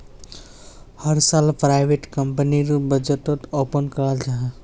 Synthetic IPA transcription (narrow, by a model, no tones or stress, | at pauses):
hɐɾsaːlpɾaːɪʋeʈkəmpəniɾubɐd͡ʒəʈət̪oːpənkɐɾəld͡ʒaːɦẽ